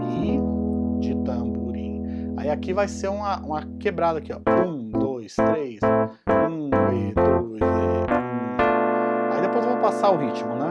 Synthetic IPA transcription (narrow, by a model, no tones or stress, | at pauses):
i | d͡ʒɪt̪ɐ̃buɾĩa̰iakivajseɾũmɐʔũmɐkebɾad̪ɐkiɔũd̪ojst̪ɾejs | ũed̪ojzɛũ | aid̪epojzvɐ̃mʊpasaʊɦit͡ʃimʊnɛ̃